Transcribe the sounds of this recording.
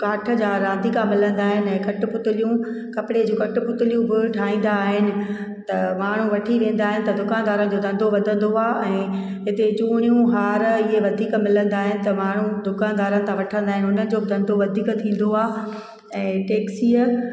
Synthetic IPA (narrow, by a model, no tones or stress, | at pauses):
kaːʈʰə̆d͡ʑaɾãːnd̪ʱikʰãmɪlə̃nd̪aːɦɪnɪ̆ɛ̃ːkɐʈpʊt̪ɪlijũ | kɐpɪɽed͡ʑũːkɐʈʊpʊt̪ɪlijũbɪʈʰaːĩːn̆d̪aːɦɪnɪ̆ | t̪ɐmaːɳ̤ũʋɐʈʰiʋẽːn̆d̪aːɦɪnɪ̆t̪ɐd̪ʊkaːnd̪aːɾənɪ̆d͡ʑoːd̪ɐ̃nd̪ʱoʋɐd̪ʱə̃nd̪oaːɛ̃ː | ɦɪt̪et͡ɕuːɽ̃ijũɦaːɾɪɦeʋɐd̪ʱiːkmɪlə̃nd̪aːɦɪnɪ̆t̪ɐmaːɳ̤ũd̪ʊkãːnd̪aːɾənɪ̆t̪ʰãʋɐʈʰə̃nd̪aːɦɪnɪʊnəɪ̆d͡ʑoːbɪd̪ɐ̃nd̪ʱoʋɐd̪ʱiːkt̪ʰĩːn̆d̪oaː | ɛ̃ːʈeːksiːə